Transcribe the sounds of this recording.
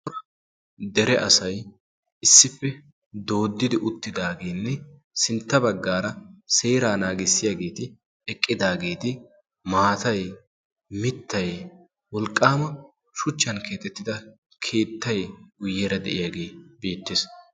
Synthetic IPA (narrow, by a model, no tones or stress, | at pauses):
d̪ɛɾɛʔɐsɐj | ʔɪsːɪpːɛ | d̪o̞ːd̪ːɪd̪ɪʔʊt̪ːɪd̪aːɡe̞ːnːɛ | sɪnt̪ːɐbɐɡːaːɾɐseːɾaːnaːɡɪsːɪjaːɡe̞ːt̪ɪ | ɛkʼːɪd̪aːɡe̞ːt̪ɪ | maːt̪ɐj | mɪt̪ːɐj | wɔlkʼːaːmɐ | ʃʊt͡ʃːɐnkʰe̞ːt̪ʼɛt̪ːɪd̪ɐ | kʰe̞ːt̪ːɐjɡʊjːeːɾɐd̪ɛʔɪjaːɡeːbiːt̪ːɪs